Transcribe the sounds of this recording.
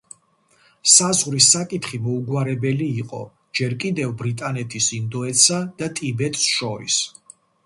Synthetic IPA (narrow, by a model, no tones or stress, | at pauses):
sazʁɾisakʼit̪χimɔuɡwaɾɛbɛliːqʼɔ̰ | d͡ʒɛɾkʼid̪ɛvbɾit̪ʼanɛt̪ʰisind̪ɔɛt̪sad̪̥at̪ʼibɛt̪ʼsʃɔɾḭs